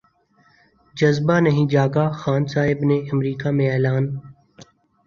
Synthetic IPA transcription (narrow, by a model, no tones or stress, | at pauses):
d͡ʒəzbaːnəɦĩːd͡ʒaːɡaːxaːnsaːɦɪbneəmɾiːkaːmẽɛːlaːn